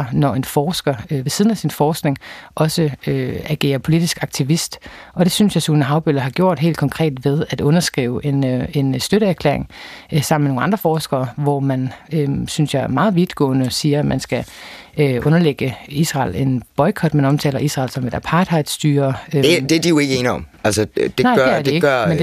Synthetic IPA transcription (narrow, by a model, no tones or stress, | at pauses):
nɒe̝nfɒːsɡ̥ɐʋe̝sið̞ˠn̩æsinfɒːsɡ̥ne̝ŋʔɒ̽səøæɡ̥e̝̰ːɐpʰo̝lid̥isɡ̥ɑ̈ɡ̥̚t͡sʰiʋisd̥ɒ̽d̥e̝synsjɑ̈ɪsunəɦɑ̈ʊb̥ølɐɦɑ̈ɡ̥jo̝ɐ̰d̥ɦe̝̰ːld̥kʰɒ̽ŋkʰʁɛ̰ːd̥ʋe̝ð̞ˠæd̥ɔ̽nɐsɡ̥ʁḭːʊʔene̝nsd̥øɾəæɐkʰlḛɐeŋsɑ̈m̰meno̝ŋ̩ɑ̈nd̥ʁɐfɒːsɡ̥ɐːʋɒmænøsynsjɑ̈ɪæɐmɑ̈ːð̞̩ˠʋid̥ɡ̥ɔ̰̽ːnəsiːɐmʔænsɡ̥æøʔɔ̽nɐleɡ̥əisʁɑ̰̈ːle̝nb̥ɒ̽ɪkʰɒ̽d̥mænɒ̽mt͡sʰɛ̰ːlɐʔisʁɑ̰̈ːlsɒ̽med̥æpʰɑ̈ːd̥ʰɑ̈d̥sd̥yːɐøed̥ed̥ijoe̝ɡenɒ̽mælsəd̥enɑ̈ɪ̥eæɐd̥eeɡmend